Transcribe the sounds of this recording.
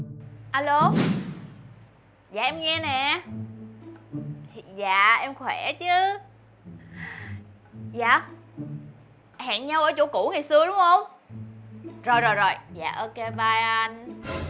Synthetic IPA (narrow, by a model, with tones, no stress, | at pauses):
ʔaː˧lo˧ | zaː˨ʔɛ˧mŋɛ˧nɛ˨˩˨ | za̰ː˧˨ʔɛ˧mxwɛ˧˩t͡ɕɨ˨˦ | zaː˧˨ | ha̰ː˧˨nɲa˧wʔəː˧˩t͡ɕo̰˧˦ku˧˥ŋaː˨˩jsɨ˧əɗʊ˨˦ŋ͡mʔə˧wŋ͡m | zo˨˩jzo˨˩jzo˨˩jza̰ː˨˩ʔəː˧ke˧ɓaː˧ja˧n